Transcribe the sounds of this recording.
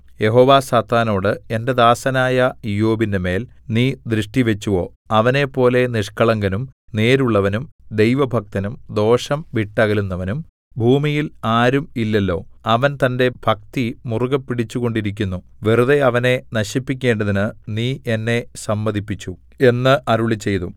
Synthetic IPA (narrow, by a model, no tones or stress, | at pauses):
je̞ɦo̞ːʋaːsaːt̪aːno̞ːɽɨe̞nde̞d̪aːsɐnaːjɐijoːbindeme̞ːl | niːd̪ɾɨʂʈiʋet͡ɕːuʋo̞̰ː | ɐʋɐne̞pːo̞ːle̞niʂkɐɭɐŋɡɐnumne̞ːɾuɭːɐʋɐnumd̪e̞jʋɐbʱɐk̚t̪ɐnumd̪o̞ːʂɐmʋiʈːɐɣɐlunːɐʋɐnum | bʱuːmijilaːɾumilːɐlːo̞̰ːɐʋɐnt̪ɐnde̞bʱɐk̚t̪imuruɣɐpːiɽit͡ɕːuɣo̞ɳɖiɾik̬ʲːunːuʋeruðeɐʋɐne̞nɐɕipːikʲːe̞ːɳɖɐðinɨniːʔenːe̞sɐmbɐd̪ʱipːit͡ɕːu | e̞nːɨʔɐɾuɭit͡ɕːe̞jt̪u